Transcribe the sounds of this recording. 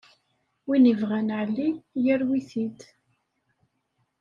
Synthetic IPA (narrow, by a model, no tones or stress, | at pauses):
winəvʁænʕlːijəɾwiθid̪